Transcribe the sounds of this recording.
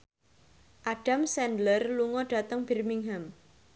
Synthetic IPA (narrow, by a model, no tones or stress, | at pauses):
ʔaɖ̥a̤msɛndlərluŋɔɖ̥a̤t̪əŋb̥i̤rmiŋɦam